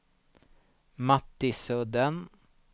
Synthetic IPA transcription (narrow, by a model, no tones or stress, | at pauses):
mɑt̪ɪsød̪ən